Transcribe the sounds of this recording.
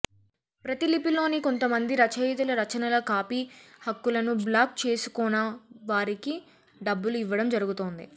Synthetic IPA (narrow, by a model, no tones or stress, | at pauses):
pɾɐt̪ilipilo̞ːniko̞nt̪ɐmɐnd̪iɾɐt͡ʃɐjt̪ulɐɾɐt͡ʃɐnɐlɐkaːpiːhɐkːulɐnublaːk̚t͡ʃe̞ːsu̥kɔːnɐʋaːɾiki | ɖɐbːuluiʋːɐɽɐmd͡ʒɐɾuɡut̪oːnd̪ḭ